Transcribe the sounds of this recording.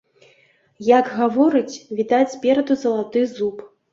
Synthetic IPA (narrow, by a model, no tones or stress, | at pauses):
jaɡɣavɔɾɨt͡sʲvʲit̪at͡sʲsʲpʲɛɾɐd̪uzɐlˠat̪ɨzup